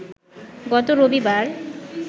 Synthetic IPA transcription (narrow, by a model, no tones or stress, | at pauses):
ɡɔt̪oɾobibaɾ